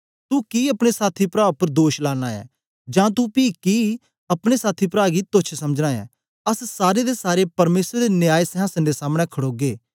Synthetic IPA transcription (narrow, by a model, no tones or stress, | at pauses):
t̪ukiːɐpɽ̃esaːt̪ʰipɾaːpɐɾd̪oːʃlaːñaːɛ̰ː | d͡ʒãːt̪̬upiːki | ɐpɽ̃esaːt̪ʰipɾaːɡit̪oːt͡ʃʰsɐməd͡ʒnãːɛ̰ | ɐssaːɾed̪esaːɾepɐɾmeːsɾd̪enjaːjsɛɦãːsə̃nd̪esaːmɽ̃ɛkʰɐɽoːɡeː